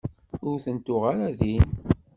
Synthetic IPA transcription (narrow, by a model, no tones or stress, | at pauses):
ʊɾθənt̪ʊʁaɾæðin